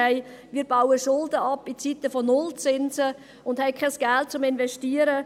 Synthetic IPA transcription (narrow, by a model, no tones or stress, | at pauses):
ɛɪ | miːəbaʊəʃʊldəɑpːit͡sit̪əfonʊlt͡sɪnzə | ʊnd̥hɛɪkʰχɛsɡ̥ælt̚t͡sʊmɪnvɛʃtiːəɾə